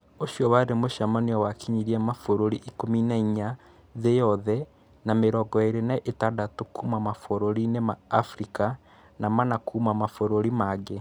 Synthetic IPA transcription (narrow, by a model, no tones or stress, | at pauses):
oʃiɔβaɾemoʃamaniɔwakiɲiɾiamafoɾoɾiʔikominaiɲa | ðejɔðɛ | nameɾɔɡɔeɾenaʔetadatokuːmamafoɾoɾinemaːfɾika | namanakʰumamafoɾoɾimaɡe